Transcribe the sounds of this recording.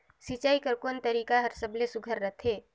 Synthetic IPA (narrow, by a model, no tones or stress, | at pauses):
sit͡ʃaːikəɾkoːnt̪əɾiːkaɦəɾsəblesʊɡʱəɾːət̪ʰeː